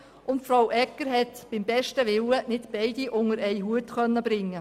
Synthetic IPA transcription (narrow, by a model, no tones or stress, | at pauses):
ʊntfɾawʔɛkːəɾɦɛtb̥ɪmbɛʃtəʋɪwənɪtb̥ɛɪd̥iʔʊŋəɾɛjɦuətχœnːəbɾɪŋːə